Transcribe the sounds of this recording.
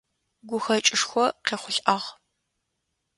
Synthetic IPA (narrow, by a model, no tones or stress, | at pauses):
ɡʷʊxɐt͡ʃʼɪʂxʷɔqeːχʷʊɬʼʔɐʁ